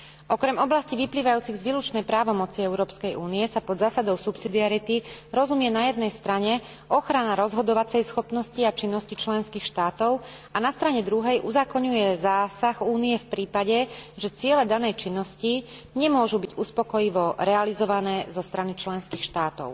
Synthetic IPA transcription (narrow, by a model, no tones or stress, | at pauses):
ʔɔkɾɛmɔblasciʋipliːʋajuːt͡siɣzʋilut͡ʃnɛjpɾaːʋɔmɔt͡siɛʊɾɔːpskɛjʔuːniɛsapɔd̪zaːsad̪ɔʊsupsid̪iaɾit̪iɾɔzumjɛnajɛd̪̚nɛjst̪ɾaɲɛ | ʔɔxɾanaɾɔzɦɔd̪ɔʋat͡sɛjsxɔpnɔsciat͡ʃinːɔscit͡ʃlɛnskiːxʃt̪aːt̪ɔʊanast̪ɾaɲɛd̪ɾuɦɛjʔuzaːkɔɲujɛzaːsaxuːniɛfpɾiːpaɟɛʒɛt͡sɪɛlɛd̪anɛjt͡ʃinːɔsciɲɛmʊɔʒubiɟuspɔkɔjiʋɔɾɛalizɔʋanɛːzɔst̪ɾanit͡ʃlɛnskiːxʃt̪aːt̪ɔ̰ʊ